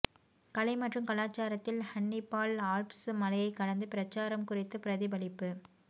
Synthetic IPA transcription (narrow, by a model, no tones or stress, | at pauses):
kɐlɐɪmɐʈrɯmkɐlaːt͡ʃːaːɾɐt̪ːɪlhɐɳːɪpːaːlaːlpsmɐlɐjɐɪkːɐɽɐnd̪ɯpɪɾɐt͡ʃːaːɾɐmkʊrɪt̪ːɯpɪɾɐðɪbɐlɪpːɯ